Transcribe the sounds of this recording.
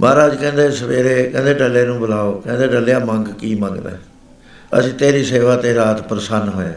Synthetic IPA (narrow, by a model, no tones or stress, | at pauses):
mʔaːɾaːd͡ʒkɛ̃ːnd̪eːsəʋeːɾeːkɛ̃ːnd̪eːɖəlːeːnũːbəlaːoːkɛ̃ːnd̪eːɖəleaːməŋɡkiːmə̃ŋɡd̪ḛː | ə̰sĩːt̪eːɾiːseːʋaːt̪eːɾaːt̪pəɾəsənɦoːãː